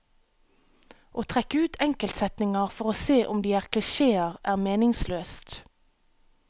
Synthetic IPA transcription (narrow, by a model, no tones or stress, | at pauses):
ʔoːt̪ʰʁɛkəʉːt̪ʰɛŋkəlt̪sɛt̪nɪŋɑʁfɔʁoːseːʔʊmd̪iːæːʁkʰlɪʃeːəʁæːʁmeːnɪŋsløːst̪